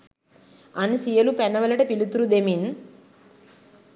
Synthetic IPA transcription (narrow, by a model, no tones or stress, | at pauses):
ɐnisijɐlupɛnːɐʋɐlɐʈɐpilut̪uɾud̪emin